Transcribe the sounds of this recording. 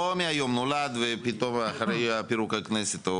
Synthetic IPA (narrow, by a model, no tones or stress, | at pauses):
omiajo̞mnolad̪vepit̪o̞maχaɾejapiɾukaknɛset̪o